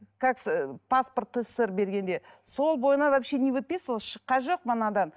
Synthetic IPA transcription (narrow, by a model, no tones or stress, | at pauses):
kʰakspasport̪ːəsɪɾbe̞ɾɡʲe̞nd̪e̞ | so̞lˠbo̞jənɑvæpʃenʲevɨt̪̚pesolˠʃəqːɑnʒo̞q̚mənɑd̪ɑn